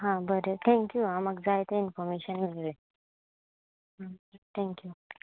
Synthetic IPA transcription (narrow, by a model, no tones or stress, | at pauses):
ɦãbəɾet̪ʰɛ̃ŋkjuamaɡd͡zajt̪əinfɔɾmeɕənmilʋe | ɦat̪ʰɛ̃ŋkju